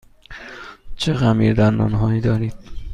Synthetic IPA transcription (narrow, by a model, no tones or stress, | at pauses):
t͡ʃʰeɣæmḭːɾd̪æɾnɒ̰ːnɦɒːiːd̪ɒːɾiːd̪̥